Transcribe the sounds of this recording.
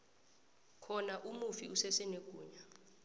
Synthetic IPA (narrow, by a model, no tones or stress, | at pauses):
kʰɔnaʔumufiusɛsɛnweɡ̥ʱuːɲa